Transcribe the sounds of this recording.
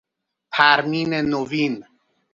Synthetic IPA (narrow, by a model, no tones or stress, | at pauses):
pʰæɾmiːnenoviːn